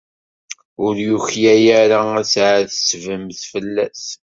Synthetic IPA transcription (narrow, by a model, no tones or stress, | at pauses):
ʊɾjuçjæjæɾaæsʕaθə̥svəmθfəlːæs